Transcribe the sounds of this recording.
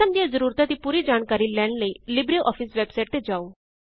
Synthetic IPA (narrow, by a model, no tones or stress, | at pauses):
amd̪jad͡zəɾuɾt̪at̪iːpuɾiːd͡zaɳkaɾiːljãɳɖlelibɾiʔɔfiːsʋebsajʈ̚t̪ed͡zau